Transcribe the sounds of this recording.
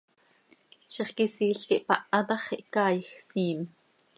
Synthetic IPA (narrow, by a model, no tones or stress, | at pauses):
ʃiχkisiːɬkiʔpɑʔɑt̪ɑχiʔkɑːjxsiːm